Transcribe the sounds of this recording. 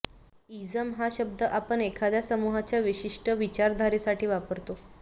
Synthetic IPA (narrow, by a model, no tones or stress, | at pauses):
id͡zəmɦaɕəb̚d̪əʔapəɳekʰad̪jasəmuɦat͡ɕjaʋiɕiʂʈəʋit͡ɕaɾd̪ʱaɾisaʈiːʋapəɾt̪o